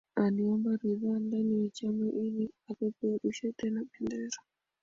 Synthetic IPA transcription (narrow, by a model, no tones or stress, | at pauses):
aniɔmbaɾiðaːndanijat͡ʃamaʔiliakɔpɛɗuʃɛtɛnaɓɛndɛɾa